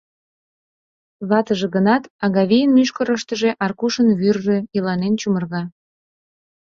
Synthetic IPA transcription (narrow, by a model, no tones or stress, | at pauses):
βɑt̪əʒĕɣənɑt̪ɑɣɑβijənmyʃkəɾəʃt̪əʒe̽ʔɑrkuʃənβyrʒeilɑnent͡ɕumərɣɑ